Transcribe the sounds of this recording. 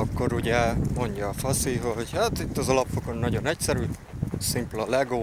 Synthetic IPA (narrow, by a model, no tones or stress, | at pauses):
ɒkːo̞ɾuɟɛmo̞ɲɟɒːfɒsiɦoɟhat̪it̪ːɒzɒlɒpfoko̞nːɒɟo̞nɛcsɛɾyː | simplolɛɡoː